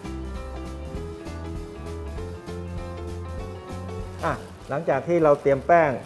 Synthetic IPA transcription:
ʔa˧˩ | la˩˦ŋt͡ɕaː˨˩k̚t̪ʰiː˥˩ɾa˧wt̪i˧əmpɛː˥˩ŋ

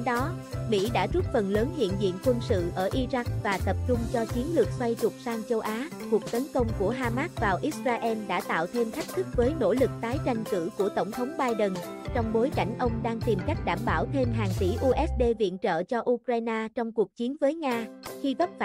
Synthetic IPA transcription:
ɗɔ˨˦mḭ˧˥ɗa̰ː˧˥zu˦˥t̚fə˨˩nləː˨˦nhḭ˧˨ənzḭ˧˨nkwə˧nsɨ̰˧˨ʔəː˧˩ʔi˧za˦˥k̚vaː˨˩t̪ə˨˩p̚t͡ɕʊ˧ŋ͡mt͡ɕɔ˧t͡ɕi˨˦ənlɨ˨˩ək̚swa˧jt͡ɕʊ˨˩k͡p̚saː˧ŋt͡ɕə˧wʔaː˨˦ku˨˩ək̚t̪ə˨˦nkə˧wŋ͡mku˧˩əɦaː˧maː˦˥t̚vaː˨˩wʔi˦˥t̚zaː˧ʔɛ˧mɗa̰ː˧˥t̪a̰ː˧˨wt̪ʰe˧mxʰa˦˥k̟̚t̪ʰɨ˦˥k̚vəː˨˦jno̰˧˥lɨ˨˩k̚t̪aː˨˦jt͡ɕa˧jŋ̟kɨ̰˧˥ku˧˩ət̪ə˧˩wŋ͡mt̪ʰə˨˦wŋ͡mɓaː˧jɗə˨˩nt͡ɕɔ˧wŋ͡mɓo˨˦jka˧˩jŋ̟ʔə˧wŋ͡mɗaː˧ŋt̪i˨˩mka˦˥k̟̚ɗaː˧˩mɓaː˧˩wt̪ʰe˧mɦaː˨˩ŋt̪i˧˩ʔu˧ʔɛ˦˥s̚ɗe˧vḭ˧˨ənt͡ɕə̰ː˧˨t͡ɕɔ˧ʔu˧kɾaː˧jnaː˧t͡ɕɔ˧wŋ͡mku˨˩ək̚t͡ɕi˨˦ənvəː˨˦jŋaː˧xi˧və˦˥t̚

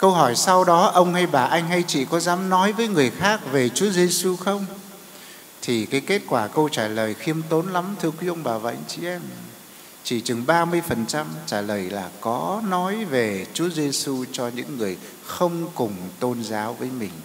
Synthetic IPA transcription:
kə˧wɦɔ˧˩jsa˧wɗɔ˨˦ʔə˧wŋ͡mha˧jɓaː˨˩ʔa˧jŋ̟ɦa˧jt͡ɕḭ˧˨kɔ˨˦zaː˨˦mnɔ˨˦jvəː˨˦jŋɨ˨˩əjxaː˦˥k̚ve˨˩t͡ɕu˨˦əzi˧su˧xə˧wŋ͡m | t̪ʰi˨˩kaː˨˦jke˦˥t̚kwaː˧˩kə˧wt͡ɕaː˧˩ləː˨˩jxi˧əmt̪o˨˦nla˨˦mt̪ʰɨ˧əkwi˨˦ʔə˧wŋ͡mɓaː˨˩vaː˨˩ʔa˧jŋt͡ɕi˧˦ʔɛ˧m | t͡ɕi˧˩t͡ɕɨ˨˩ŋɓaː˧mɨ˧əjfə˨˩nt͡ɕa˧mt͡ɕaː˧˩ləː˨˩jlaː˨˩kɔ˨˦nɔ˨˦jve˨˩t͡ɕu˨˦əze˧su˧t͡ɕɔ˧ɲɨ̰˧˥ŋːɨ˨˩əj | xə˧wŋ͡mkʊ˨˩ŋ͡mt̪o˧nzaː˨˦wvəː˨˦jmï˨˩ŋ̟

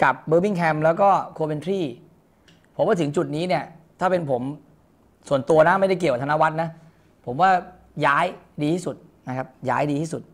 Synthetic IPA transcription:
ka˨˩p̚bɤː˧bi˥˩ŋkʰɛ˧mlɛː˦˥wkɔː˥˩kʰoː˧me˧nt̪ʰɾiː˥˩ | pʰo˩˦maː˧˩t̪ʰŋt͡ɕu˨˩t̪̚niː˦˥ni˥˩ɐət̪ʰaː˥˩pe˧npʰo˩˦m | su˨˩ənt̪u˧ɐna˦˥ma˥˩jda˥˩k̬ka˨˩tʰa˧na˦˥wa˦˥t̪̚na˦˥ | pʰo˩˦mwaː˥˩ | jaː˦˥jdiː˧iː˥˩su˨˩t̪̚ | na˦˥kʰa˦˥p̚ja̰ː˦˥jdiː˧t̪ʰiː˥˩su˨˩t̪̚

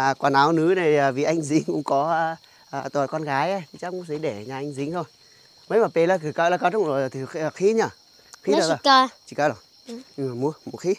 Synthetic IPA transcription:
kwaː˨˧˩naː˨˦wnɨ˨˦naː˨˩˨vi˨˩ʔa˧jŋ̟zï˨˦ŋ̟kʊ̰˧˥ŋ͡mkɔ˨˦˧ | ʔt̪a˨˩kɔ˧nɣaː˨˦jʔa˧˦t̪ʰi˨˩t͡ɕa˦˥kʊ̰˧˦ŋ͡msi˨˦ɗe˧˩ɲaː˨˩ʔa˧ŋ̟zï˨˦ŋ̟t̪ʰo˧j | mə˨˦jmaː˨˩pe˧˩ləː˧˦kɨ˧˩kə˧˨laː˧ka˧˥t̚zo˨˩jt̪ʰi˨˩˧xi˨˦ɲə˧˩ | xi˧˦˨laː˨˩˧t͡ɕi˧˩kəː˧˦lɔ˨˩ | ɲɨ˧ŋmaː˨˩mu˨˦əmu˨˩xi˨˦

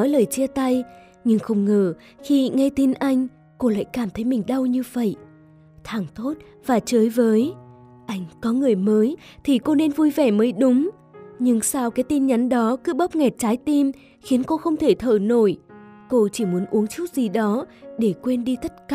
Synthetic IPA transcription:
ɔ˨˦jləː˨˩jt͡ɕi˧ət̪a˧j | ɲɨ˧ŋxə˧wŋ͡mŋəː˧˩ | xi˧ŋa˧jt̪i˧nʔa˧jŋ̟ | ko˧la̰ː˧˨jkaː˧˩mt̪ʰə˨˦jmï˨˩ŋ̟ɗə˧wɲɨ˧və̰˧˨j | t̪ʰaː˨˧˩ŋt̪ʰo˦˥t̚ | vaː˨˩t͡ɕəː˨˦jvəː˨˦j | ʔa˧jŋ̟kɔ˨˦ŋɨ˨˩əjməː˨˦j | t̪ʰi˨˩ko˧ne˧nvu˧jvɛ˧˩məː˨˦jɗʊ˨˦ŋ͡m | ɲɨ˧ŋsaː˧wkaː˨˦jt̪i˧nɲa˨˦nɗɔ˨˦kɨ˨˦ɓə˦˥p̚ŋɛ˨˩t̚t͡ɕaː˨˦jt̪i˧m | xi˨˦ənko˧xə˧wŋ͡mt̪ʰe˧˩t̪ʰə̰ː˧˩no˧˩jko˧t͡ɕi˧˩mu˨˦ənʔu˨˦əŋt͡ɕu˦˥t̚z̥i˨˩ɗɔ˨˦ɗe˧˩kwe˧nɗi˧t̪ʰə˦˥t̚ka˧˨

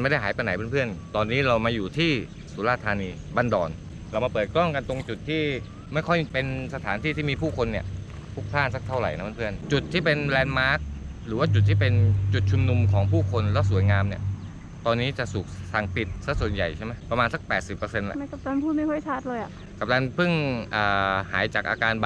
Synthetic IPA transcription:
nma˥˩da˥˩jɦaː˩˦jpa˧na˨˩˦pʰaː˥˩pʰɯ˥˩ənt̪ɔː˧nːiː˦˥ɾa˧wmaː˧juː˨˩t̪ʰiː˥˩ | suː˩˦laː˧˥˩t̪ʰːaː˧niː˧ba˧ndɔː˨˩n | ɾa˧wma˧pɤː˨˩t̪̚kɾɔ˥˩ŋka˧nt̪o˧ŋt͡ɕu˨˩t̪ʰːiː˥˩ | ma˥˩jkʰɔ˥˩jpe˧nsa˧t̪ʰaː˩˦nt̪ʰiː˥˩t̪iː˥˩miː˧pʰuː˥˩kʰo˧nːi˥˩ə | pʰu˦˥˩k̚t̪ʰaː˥˩nsa˦˥k̚t̪ʰa˥˩wɾa̰˨˩jna˦˥pʰːpʰɯ˥˩ənt͡ɕu˨˩t̪ʰːiː˥˩pe˧nlɛː˧nmaː˦˥k̚ | ɾɯː˩˦waː˥˩t͡ɕu˨˩t̪ʰːiː˥˩pe˧nt͡ɕu˨˩t̪̚t͡ɕʰu˧mnu˧mkʰɔː˩˦ŋpʰuː˥˩kʰo˧nlɛː˦˥wsu˩˦jŋaː˧mni˥˩ɐ | t̪ɔː˧nːiː˦˥t͡ɕa˨˩su˨˩k̚sa˨˩ŋpi˨˩t̪̚sa˦˥˩su˨˩ənja̰˨˩jt͡ɕʰa˥˩ma˦˥jpɾa˧maː˧nsa˨˧˦k̚pɛː˨˩t̪̚si˨˩pːɤː˧se˧nlɛ̰˧a˥˩ka˨˩p̚laː˧npʰuː˥˩ma˥˩jkʰɔ˥˩jt͡ɕʰaː˦˥˩t̪̚lɤː˧jʔa˨˩ | ka˨˩p̚lɛː˧npʰɯ˥˩ŋʔaː˨˩ha̰ː˩˦jt͡ɕaː˨˩k̚ʔa̰ː˧kaː˧n

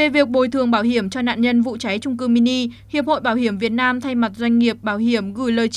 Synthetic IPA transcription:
e˨˩vi˨˩ək̚ɓo˨˩jt̪ʰɨ˨˩əŋɓaː˧˩whi˧˩əmt͡ɕɔ˧na̰ː˧˨nɲə˧nvṵ˧˨t͡ɕa˨˦jt͡ɕʊ˧ŋ͡mk̬ɨ˧mi˧ni˧hi˨˩əp̚ho̰˧˨jɓaː˧˩whi˧˩əmvi˨˩ət̚naː˧mt̪ʰa˧jma˨˩t̚zwa˧jŋ̟ŋi˨˩əp̚ɓaː˧˩whi˧˩əmɣɨ˧˩jləː˨˩j

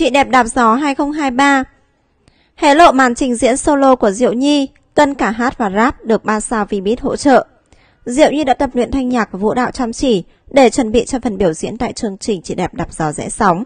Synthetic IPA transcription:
t͡ɕḭ˧˨ɗɛ˨˩p̚ɗaː˨˩p̚zɔ˨˦ɦaː˧jxə˧wŋ͡mɦaː˧jɓaː˧ | he˧˦lo̰˧˨maː˨˩˦nt͡ɕï˨˩ŋzḭ˧˥ənso˧lo˧ku˧˩əzḭ˧˨əwɲi˧ | t̪ə˧nkaː˧˩ɦaː˦˥t̚vaː˨˩zaː˦˥p̚ɗɨ˨˩ək̚ɓaː˧nsaː˧wvi˧˩ɓi˦˥ət̚ho̰˧˥t͡ɕə̰ː˧˨ʔ | zḭ˧˨əwɲi˧ɗa̰ː˧˥t̪ə˨˩p̚nwḭ˧˨ənt̪ʰa˧jŋ̟ɲaː˨˩k̚vṵ˧˥ɗa̰ː˧˨wt͡ɕaː˧mt͡ɕi˧˩ | ɗe˧˩t͡ɕwə˨˩nɓḭ˧˨t͡ɕɔ˧fə˨˩nɓi˧˩əwzḭ˧˥ənt̪a̰ː˧˨jt͡ɕɨ˧əŋt͡ɕï˨˩ŋ̟t͡ɕḭ˧˨ɗɛ˨˩p̚ɗaː˨˩p̚z̥ɔ˨˦zɛ̰˧˥sa˨˦wŋ͡m

